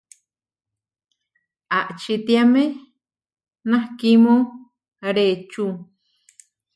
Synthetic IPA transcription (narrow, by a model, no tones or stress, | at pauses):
aʔt͡ʃit̪iame | nãhkimõŋ | ɾet͡ʃu